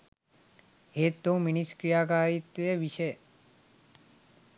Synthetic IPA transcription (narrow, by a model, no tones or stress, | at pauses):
ɦet̪ːõminiskɾijaːkaːɾit̪ʋeʋiʃe